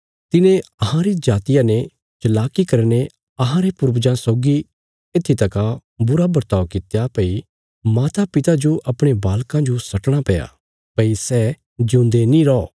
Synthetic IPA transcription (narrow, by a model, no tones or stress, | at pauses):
t̪ɪnẽɐɦãɾid͡ʒaːt̪ɪjãne | t͡ʃɐlaːkikɐɾñe | ɐɦãɾepʊɾbd͡ʒãsɔːɡi | et̪ʰːit̪ɐkabʊɾabɐɾt̪aːokɪt̪japɐi | maːt̪ʰapɪt̪ad͡ʒoʔɐpɽ̃ebaːlkãd͡ʒosɐʈɽ̃apɛja̰ | pɐisɛː | d͡ʒũːnd̪enĩɾɔː